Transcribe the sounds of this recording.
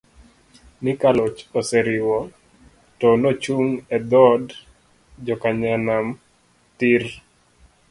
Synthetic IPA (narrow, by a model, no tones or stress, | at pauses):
nɪkalɔt͡ʃɔsɛɾɪwɔ | tɔnot͡ʃuŋɛd̪ɔd | d͡ʒɔkaɲanam | tir